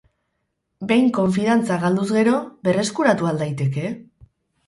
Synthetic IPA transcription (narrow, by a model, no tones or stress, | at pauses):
be̞jŋko̞ɱfiðant͡saɣald̪uzɣe̞ɾo̞βe̞re̞skuɾat̪uald̪ajt̪e̞ke̞